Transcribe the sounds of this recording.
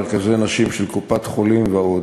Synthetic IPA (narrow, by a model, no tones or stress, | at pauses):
ʁkazejanaʃimʃelkupat̪χolimveaod